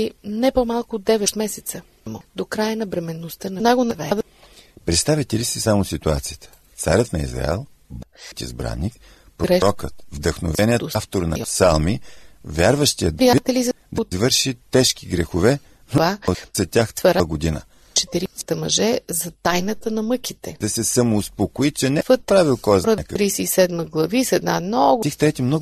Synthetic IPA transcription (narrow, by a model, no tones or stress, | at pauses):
inɛpomalˠkʊːd̪ɛvɛt̪mɛsɛt̪sə | mod̪okɾajənɐbɾɛmɛnːost̪ənɐnaɡonɐvɛd̪ | pɾɛt̪st̪avʲit̪ɛlisisamosit̪uat̪sijət̪ə̥ | t̪sa̰ɾʲət̪nɐḭzɾa̰ɛ̰lˠ | bt̪ḭzbɾa̰nːik | pɾɛɾɔkət̪vd̪əxno̰vɛniəft̪oɾnɐ̰salˠmivʲjaɾvəʃt̪ijəɾijait̪ɛliz | d̪zvɤɾʃit̪ɛʃkiɡɾɛxovɛ | novaot̪zɐt̪ʲaxvɐɾaɡod̪inə̰ | t͡ʃɛt̪iɾisə̥t̪ɐmɐʒɛzɐt̪ajnət̪ənɐmɤkʲit̪ɛd̪ɐsɛsɐmoːspokoit͡ʃɛnɛpət̪̚pɾavilˠkɔjzɾɔkəɾiːsɛisɛd̪məɡlˠɐvisɛd̪namnɔɡ̪ixt̪ɾɛt̪imnɔ